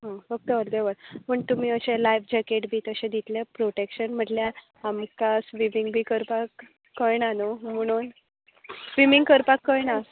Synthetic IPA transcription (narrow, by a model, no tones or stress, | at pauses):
ɦə̃fək̚t̪əəɾd̪eʋəɾpəɳt̪umiːəɕelajʋd͡ʑakeʈbʱiːt̪əɕẽd̪it̪lepɾoʈekɕənm̤əʈljaː | mkasʋimiŋɡbʱiːkəɾpakː | əjnanom̤əɽ̃uːn | sʋimiŋɡkəɾpakːəjnas